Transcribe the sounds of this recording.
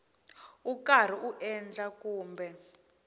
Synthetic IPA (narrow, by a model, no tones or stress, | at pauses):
ukar̤iʔuʔɛnd͡ɮakuːmbɛ